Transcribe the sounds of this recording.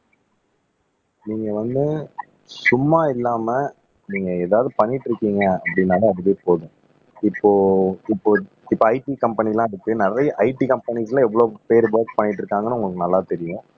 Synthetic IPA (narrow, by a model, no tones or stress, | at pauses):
niːŋɡɐʋɐnd̪ɯ | sʊmːaːɪlːaːmɐ | niːŋɡɐeːðaːʋðɯpɐɳːɪʈːɾɯkːiːŋɡɐɐpːɐɽɪnːaːlɐɐðɯʋeːpoːðʊ̃ | ɪpːoːɪpːoː | ɪpːoːɐɪʈikɐmpɐnɪlãːɪɾɯkːɯnɪrɐjɐʔɐɪʈikɐmpɐnislãɛʋːɐɭoːpeːɾɯʋɐːk̚pɐɳːɪʈ̬ːɾɯkːaːŋɡɐnːɯʊŋɡɐɭɯkːɯnɐlːaːt̪ɛɾɪjʊ̃